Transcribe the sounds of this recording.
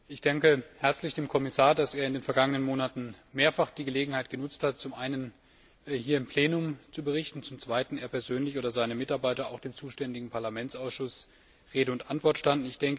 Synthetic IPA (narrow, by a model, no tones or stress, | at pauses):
ʔɪçd̥ɛŋkəhɛɐt͡slɪçd̥eːmkʰɔmɪsaːɐdaseːɐɪndeːnfɛɐɡaŋənənmoːnatn̩meːɐfaχd̥iːɡəleːɡŋ̩haɪt̚ɡ̥ənʊt͡sthat̚t͡sʊmʔaɪnən | hiːɐɪmpʰl̥eːnʊmt͡subəʁ̞ɪçtn̩t͡sʊmt͡sv̥aɪtn̩eːɐpʰɛɐzøːnlɪçʔoːdɐzaɪnəmɪtaɐbaɪtɐaʊxd̥eːmt͡suːʃtɛndɪɡŋ̩pʰaɐlamɛnt͡sʔaʊsʃʊs | ʁeːdəʊntʔantv̥ɔɐtʃtandn̩ɪçd̥ɛŋkə